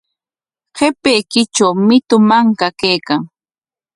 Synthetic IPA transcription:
qʰepejkɪt͡ʃawmɪt̪ʊmaŋkakajkaŋ

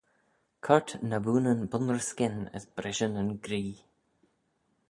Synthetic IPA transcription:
kʰɔɹtnabuːnənbʊnəɹskɪnə̰sb̥ɾɪʒənənɡɾiː

